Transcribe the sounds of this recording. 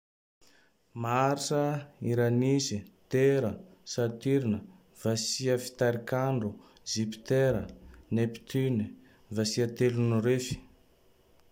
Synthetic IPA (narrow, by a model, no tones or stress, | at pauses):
maɾisəiɾanizit̪eɾəsat̪iɾinə | v̥asiəfi̥t̪aɾikaɳɖ͡ʐu | zipi̥t̪eɾə̰nepi̥t̪yni | vasiət̪elunuɾefi̥